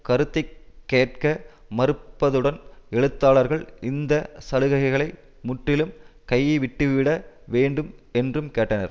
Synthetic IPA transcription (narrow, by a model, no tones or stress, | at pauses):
kɐɾɯt̪ːɐɪkːeːʈ̚kɐ | mɐɾɯpːɐðɯɽɐnɛɻɯt̪ːaːɭɐɾɣɐɭɪnd̪ɐsɐlɯɣɐɣɐɪɣɐɭɐɪ | mʊʈrɪlɯmkɐjːɯʋɪʈːɯʋɪɽɐʋeːɳɖɯmɛndrɯmkeːʈːɐnɐ̰ɾ